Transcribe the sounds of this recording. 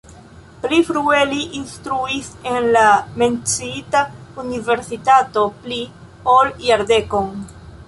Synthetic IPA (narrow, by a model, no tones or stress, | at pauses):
plifɾueliʔinstɾuise̞nlame̞nt͡siitaunive̞ɾsitato̞pli | oljaɾde̞kon